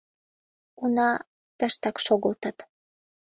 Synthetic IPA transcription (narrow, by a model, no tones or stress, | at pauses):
unɑ | t̪ə̆ʃt̪ɑkʃoɣəlt̪ɑt̪